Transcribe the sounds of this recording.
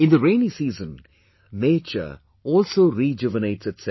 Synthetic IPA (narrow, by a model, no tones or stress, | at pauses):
ɪ̃nd̪əɾẽɪnisiːzə̃n | neːt͡ʃə̰ | ɔːlsoːɾid͡ʒɪvəneɪʈsɨtsɛ